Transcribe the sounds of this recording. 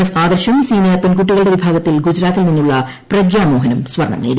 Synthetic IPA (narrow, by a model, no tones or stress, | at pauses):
ɐsaːd̪ɐrɕɐmsiːnijaːrpɐnk̬uʈːiɣɐɭɽeʋibʱaːɡɐt̪ːilɡud͡ʑɾaːt̪ːilninːuɭːɐ | prɐɡjaːmo̞ːɦɐnɐmsʋɐrɳɐ̰mnḛːɾ